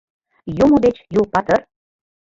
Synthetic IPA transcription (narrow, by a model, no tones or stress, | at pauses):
jumod̪et͡ɕjupɑt̪ər